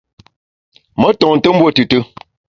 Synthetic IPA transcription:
mə˦tɔ˨ŋn̩˨tə˦mbwo˦˨tɨ˨tɨ˦

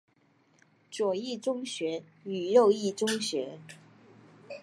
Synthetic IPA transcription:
ʈ͡ʂwɔ˨˩i˥˩ʈ͡ʂʊ˥ŋɕɥɛ˧˥y˨˩jo˥˧ʊi˥˩ʈ͡ʂʊ˥ŋɕɥɛ˧˥

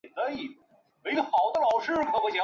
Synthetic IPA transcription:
nt̪ə˧˦i˨˩ | we˧˥ɪə˧˩xɑ˨˩ʊd̪ə˧lɑ˨˩ʊʂɻ̩˥˩kʰɤ˧˥pwe˧˥ɕjɑ˧˥

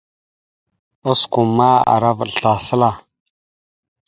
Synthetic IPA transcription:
o˦sku˨mːa˦a̰˨ɾa˦və̰˨lɬa˨sə˦la˨

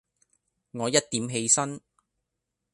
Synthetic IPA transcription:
ŋɔː˨˧jɐ˥t̚t̪iː˨˥mɦe˧jsɐ˥n

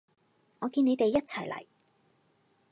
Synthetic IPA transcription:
ŋɔː˨˧kiː˧ne˨˧jt̪e˨jːɐ˥t̚t͡sʰɐ˨˩jlɐ̰˨˩j

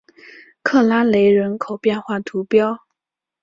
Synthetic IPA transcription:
kʰɤ˥˩la˥le˧˥ɪɻə˧˥nkʰo˨˩ʊpjɛ˥˧nxwa˥˩t̪ʰu˧˥pjɑ˥ʊ

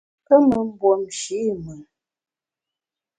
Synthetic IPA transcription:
ə˦mə˨m̩˦bwo˨mʃi˨˦˨mə˨

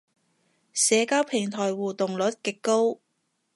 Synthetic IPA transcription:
sɛː˨˧kaː˥wpʰɪ˨˩ŋt̪ʰɔː˨˩jwuː˨˩t̪ʊ˨ŋlɵ˨˥t̚kɪ˨kːo˥w

